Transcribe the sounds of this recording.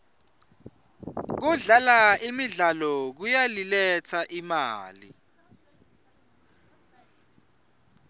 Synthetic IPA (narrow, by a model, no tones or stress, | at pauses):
k̬uɮalaimiɮalɔk̬ujalilɛt͡sʰaʔimaːlḭ